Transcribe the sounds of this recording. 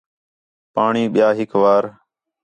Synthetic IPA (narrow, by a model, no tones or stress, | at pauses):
paːɳiːɓɪjaːɦɪkʋaːɾ